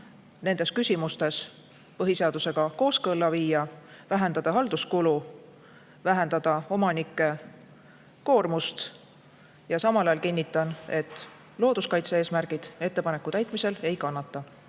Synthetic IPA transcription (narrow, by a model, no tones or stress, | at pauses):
ne̞nd̪̥e̞skysʲimust̪e̞s | pɤɦise̞ɑd̪use̞ɡ̥ɑko̞ːskɤlːɑviːjɑvæɦend̪̥ɑd̪̥ɑɦɑld̪̥uskulu | væɦe̞nd̪̥ɑd̪̥ɑo̞mɑnikˑːe̞ | ko̞ːrmust̪ | jɑsɑmɑlɑjɑlkinʲːit̪ːˑɑne̞t̪ːˑ | lo̞ːd̪̥uskɑjt̪see̞ːsmærɡ̥id̪̥e̞t̪ːe̞pɑne̞kːˑut̪æjt̪ˑmise̞le̞jkɑnːɑt̪ːˑɑ